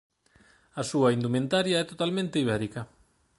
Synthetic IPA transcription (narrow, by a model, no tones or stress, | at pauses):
ɐsuɐind̪umẽnt̪aɾjaɛt̪ot̪almẽnt̪eiβ̞ɛɾikɐ